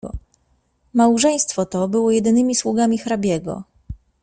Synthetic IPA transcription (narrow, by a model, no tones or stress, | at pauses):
mawʐɛj̃st̪fɔt̪ɔbɘwɔjɛd̪ɘnɘmʲiswuɡamʲixɾabʲjɛɡɔ̰